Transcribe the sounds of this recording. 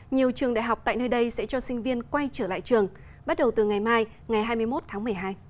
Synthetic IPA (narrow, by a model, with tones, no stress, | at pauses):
ɲi˨˩əwt͡ɕɨ˨˩əŋɗa̰ː˧˨jɦwk͡p̚t̪a̰ː˧˨jnəː˧jɗə˧jsɛ̰˧˥t͡ɕɔ˧sï˧ŋ̟vi˧ənkwa˧jt͡ɕəː˧˩la̰ː˧˨jt͡ɕɨ˨˩əŋ | ɓa˦˥t̚ɗə˨˩wt̪ɨ˨˩ŋa˨˩jmaː˧j | ŋa˨˩jɦaː˧jmɨ˧əjmo˦˥t̚t̪ʰaː˨˦ŋm˨˩əjɦaː˧j